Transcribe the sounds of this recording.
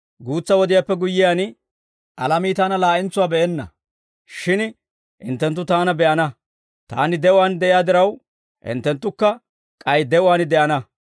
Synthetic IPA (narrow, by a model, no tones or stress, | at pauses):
ɡuːt͡sːɐwɔd̪ɪjaːpːɛɡʊjːɪjaːn | ʔɐlɐmiːt̪aːnɐlaːʔɪnt͡sːʊwaːbɛʔɛnːɐ̰ | ʃɪn | ʔɪ̰nt̪ːɛnt̪ːʊt̪aːnɐbɛʔɐnɐ | t̪a̰ːnɪd̪ɛʔʊwaːnd̪ɛʔɪjaːd̪ɪɾɐw | ʔɪ̰nt̪ːɛnt̪ːʊkːɐ | kʼɐjd̪ɛʔʊwaːnɪd̪ɛʔɐnɐ